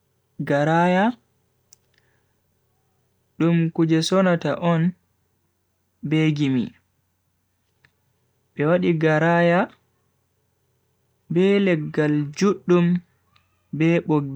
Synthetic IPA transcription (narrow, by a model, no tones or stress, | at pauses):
ɡaɾaja | ɗumkud͡ʒɛsɔnataʔɔn | beɡimḭ | ɓɛwaɗiɡaɾaja | bɛlɛɡːald͡ʒuɗːum | bɛɓoɡ